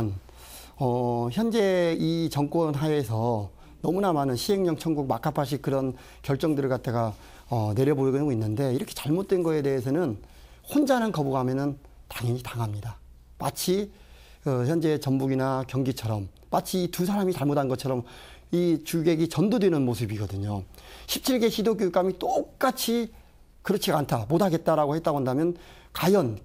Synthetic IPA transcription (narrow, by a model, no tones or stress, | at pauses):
n | ʌçjʌnd͡ʑe̞it͡ɕʌŋk͈wʌnɦaes̬ʰʌ | nʌmunamanɯnɕʰiɦe̞ŋɲʌŋt͡ɕʰʌŋɡuɡ̚makʰapʰaɕ̬ʰikɯɾʌn | kjʌɭt͡ɕ͈ʌŋdɯɭkat̚t͈eɡa | ʌne̞ɾjʌboɾɡɡoinːɯnde̞iɾʌkʰet͡ɕaɭmot̚t͈we̞nɡʌe̞de̞es̬ʰʌnɯnhond͡ʑanɯnkʌbuɡɦamjʌnɯntaŋʌɲitaŋɦamɲida | mat͡ɕʰi | kɯçjʌnd͡ʑe̞t͡ɕʌmbuɡinakjʌŋɡit͡ɕʰʌɾʌmːat͡ɕʰiːtusʰaɾamit͡ɕaɭmodɦanŋɡʌt͡ɕʰʌɾʌmit͡ɕuɡe̞ɡit͡ɕʌndodwenɯnmosʰɯbiɡʌdɯɲoɕʰip̚t͡ɕʰiɭɡe̞ɕʰidokjoik͈amit͈ok̚k͈at͡ɕʰi | kɯɾʌt͡ɕʰiɡantʰamotʰaɡe̞t̚t͈aɾaɡohe̞t͈aɡoandamjʌn | kajʌn